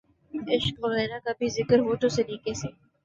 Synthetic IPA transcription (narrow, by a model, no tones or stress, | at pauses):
ɪʃkɔːɾɾɛːnakabʱizɪkəɾɦoːʈoseliːkeseː